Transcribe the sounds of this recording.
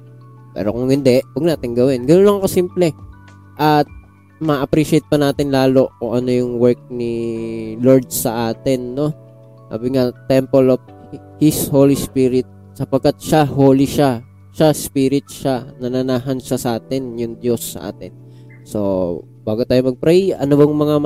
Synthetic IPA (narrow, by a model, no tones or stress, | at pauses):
pɛ̰ːɾokʊŋhɪnd̪ɛʔwɐɡ̚naːt̪ɪŋɡɐwɪnɡɐnonlɐŋɐko̞simplɛ | ʔɐt̪̚ | mɐʔɐpɾiʃɪɛjt̪̚pɐnaːt̪ɪnlaːlo̞kʊŋʔɐno̞jʊŋwɛɹk̚ni | loɹd̪̚sɐʔaːt̪ɛnːo̞ | sa̰ːbɪŋat̪ɛmpɛlov | hɪshoːlispiɾɪt̪̚ | sɐpɐɡ̚kːat̪̚ʃahoːliʃa | ʃaspiːɾɪt̪̚ʃanɐnɐnaːɦɐnʃasɐʔaːt̪ɪnjʊŋd̪jo̞sːɐ̰ʔa̰ːt̪ɪn | so̞̰ | baːɡʊt̪aːjomɐɡ̚pɾɛjʔɐnobɐŋmɐŋa